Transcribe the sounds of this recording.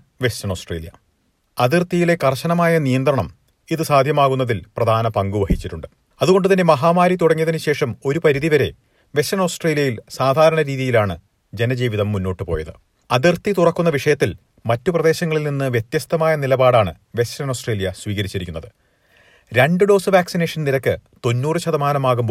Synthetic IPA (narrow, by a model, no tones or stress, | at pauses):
ʋe̞stɐnoːsʈrḛːljɐ̰ | ɐðirt̪ijile̞kɐrɕɐnɐmaːjɐnijɐnd̪rɐɳɐm | iðɨsaːd̪ʱjɐmaːɣunːɐðilprɐd̪ʱaːnɐpɐŋɡuʋɐhit͡ɕːiʈːuɳɖɨ | ɐðuɣo̞ɳɖɨt̪ɐnːe̞mɐɦaːmaːɾit̪uɽɐŋːiɐðinɨɕe̞ːʂɐmo̞ɾupɐɾiðiʋɐɾe̞̰ | ʋe̞sɐnoːsʈreːlijɐjilsaːd̪ʱaːɾɐɳɐɾiːðijilaːɳɨ | d͡ʑe̞nɐd͡ʑiːʋiðɐmːunːo̞ːʈːɨpo̞ːjɐðɨ | ɐðirt̪it̪urɐkːunːɐʋiʂɐjɐt̪ːil | mɐtːuprɐðe̞ːɕɐŋːɐɭilninːɨʋjet̪jɐst̪ɐmaːjɐnilɐbaːɽaːɳɨ̰ | ʋe̞sɐno̞ːsʈreːlijɐsʋiːɣɐɾit͡ɕːiɾikʲːunːɐðɨ | ɾeɳɖɨɖo̞ːsɨʋaːksine̞ːʂɐnniɾɐkːɨt̪o̞nːuːrɨɕɐðɐmaːnɐmaːɣumb